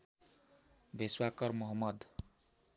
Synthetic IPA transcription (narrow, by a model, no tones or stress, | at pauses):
bʱeswakʌrmʌɦʌmːʌd̪